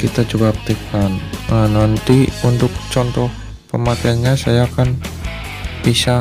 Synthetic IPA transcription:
kit̪ad͡ʒubap̚t̪əkanənant̪iunt̪ʊk̚t͡ʃɔnt̪ɔh | pəmakaanɲasajaːkan | bisa

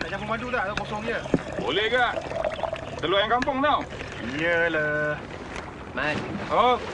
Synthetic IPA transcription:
daʔt͡ʃampəmandudaʔt̪akɔs̬ɔŋɲə | bo̰lɛhɡaʔ | t̪əluajaŋkampʊŋnaw | jələ | najo

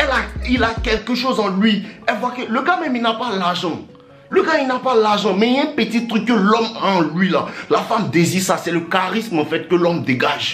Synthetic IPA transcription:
ɛlailakɛlkəʃozɑ̃lɥiɛlvwakələɡamɛmilnapalaʁʒɑ̃ | løɡailnapalaʁʒɑ̃mɛ̃ɛ̃pət̪it̪ʁyk̚ːəlɔmaãlɥilalafamd̪ezisasɛləkaʁismɑ̃fɛt̪̚kølɔmd̪eɡaʒ

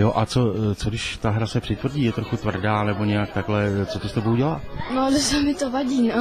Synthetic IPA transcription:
joʔat͡so̞t͡sodɪʃt̪aɦɾasɛpr̝̥ɪt̪vr̩ɟiːjɛt̪ɾo̞xut̪vr̩daːnɛbo̞ɲɛjak̚t̪aklɛt͡sot̪ost̪ɛbouɟɛlanosamɪt̪ovaɟiːna

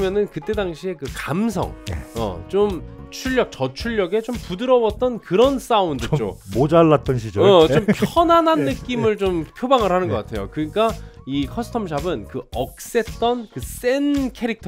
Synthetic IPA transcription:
mjʌnɯnkɯt͈e̞daŋɕʰie̞kɯkams̬ʰʌ̰ŋʌ̰t͡ɕomt͡ɕʰuʎːʌk̚t͡ɕʌt͡ɕʰuɭːʌɡe̞t͡ɕompudɯɾʌwʌt̚t͈ʌnkɯɾʌns͈aundɯt͡ɕo̰mod͡ʑaɭːat̚t͈ʌnɕʰid͡ʑʌʌt͡ɕompʰjʌnananːɯk͈imɯɭt͡ɕompʰjobaŋɯɭhanɯnɡʌk͈atʰe̞̰jo̰kɯɲik͈aikʰʌsʰɯ̥tʰʌmɕ̬ʰabɯnkɯʌk̚s͈e̞t͈ʌnkɯs͈e̞nkʰeɾik̚tʰ

